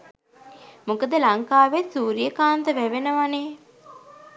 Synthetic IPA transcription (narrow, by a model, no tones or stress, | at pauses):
mukəd̪əlaŋkaːʋesuːɾijəkaːnd̪əʋæʋenəʋane